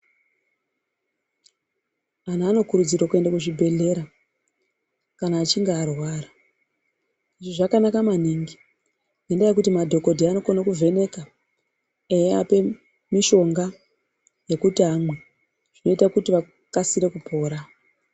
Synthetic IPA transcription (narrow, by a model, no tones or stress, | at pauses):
anaaːno̞kuɾud͡zirwokue̞ndakuʐibʱe̞ɮe̞ɾa | kanaːt͡ʃiŋɡeːrwaːra | iʐiʐakanakamaniŋɡi | nendajek̬utimadʱo̞ko̞dʱiano̞konakuvʱe̞ne̞ka | ejea̰pe̞ | miʃo̞ŋɡa | je̞kutiɦamwe̞ | ʐ̥ino̞itakutiʋa | kasiɾe̞kupʰo̞ːɾa